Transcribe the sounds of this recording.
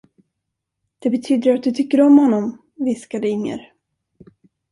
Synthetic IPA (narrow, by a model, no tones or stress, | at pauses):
d̪̥ɛbɛt̪ʰyːd̪əɾat̪̚d̪ɵt̪ʰʏkːəɾɔmhɔnːɔm | vɪskad̪əɪŋːə̰ɾ